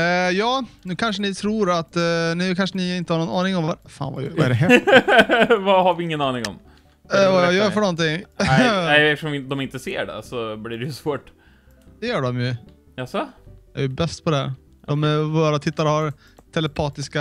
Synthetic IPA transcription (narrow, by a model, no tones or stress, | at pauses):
jɑːnʉ̟ːkʰanʂənɪt̪ʰɾuːɾat̪ːnɛkʰanʂənɪɪnt̪əhaɾɳɔnɑːnɪŋɔmvafa̰ːnva̰jvaɛɖɛɦɛ | vahaɾvɪɪŋːənɑːnɪŋɔ̰m | vajœːɾfəɳɔnt̪ɪŋ | ɛɛfəʂɔmɪd̪ɔmɪnt̪əsḛːɖɛ̰sɔbliɖɛjʉsvoːʈ | d̪̥ɛjœːɖɔmjʉ | jasɔæ̰ɾjʉbɛst̪pʰɔd̪ɛhæ̰ɾ | ɔmɛvoːɾat̪ʰɪt̪ːaɾəhaɾ | t̪ʰɛlɛpʰɑːt̪ɪska